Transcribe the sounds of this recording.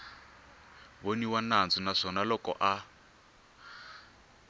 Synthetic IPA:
βoniwanand͡zɔnaʂɔnalɔkɔ̰ʔa

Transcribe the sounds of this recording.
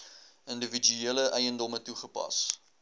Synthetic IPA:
əndəvid͡ʒyiːləʔɛjəndɔmətuχəpɐ̰s

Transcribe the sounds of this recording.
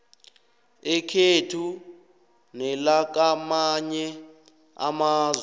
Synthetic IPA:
ɛkʰetʰu | nɛlak̬amaɲɛ | a̰maːzwɛ

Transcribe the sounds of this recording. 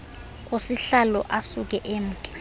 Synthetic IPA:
k̬ʼosiɬalɔ̰ʔasuk̬ʼɛʔem̩ːkʼɛ̥

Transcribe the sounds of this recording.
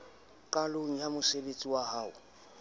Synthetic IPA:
kʼaloŋ̩jamʊsebet͡sʼiwahaːʊ

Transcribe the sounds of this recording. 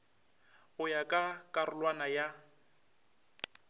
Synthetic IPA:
ɣʊjakʼakʼarʊlwanaja

